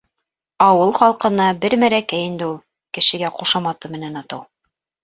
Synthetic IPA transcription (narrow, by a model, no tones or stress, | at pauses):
ɑwɤlˠχɑlˠqɤ̆nɑbɘɾmæɾækæjɘ̆nd̪ɘulˠ | kɘ̆ʃɘ̆ɡæquʃɑmɑt̪ɤmɘ̆nænɑt̪ɤw